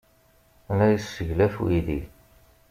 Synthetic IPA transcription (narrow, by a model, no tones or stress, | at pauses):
ælæjəsəʝlæfṵiði